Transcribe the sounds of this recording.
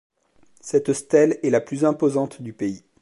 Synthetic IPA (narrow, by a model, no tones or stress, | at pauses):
sɛt̪st̪ɛlɛlaplyzɛ̃pozɑ̃t̪d̪ypei